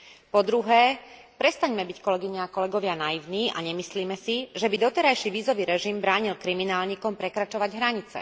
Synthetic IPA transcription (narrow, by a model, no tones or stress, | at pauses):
pɔd̪ɾuɦɛː | pɾɛst̪aɲmɛbickɔlɛɡiɲɛːkɔlɛɡɔʋɪanaiʊniːa̰ɲɛmisliːmɛsiʒɛbid̪ɔt̪ɛɾajʃiʋiːzɔʋiːɾɛʒimbɾaːɲilkɾiminaːlɲiːkɔmpɾɛkɾat͡ʃɔʋaɟɦɾaɲit͡sɛ̰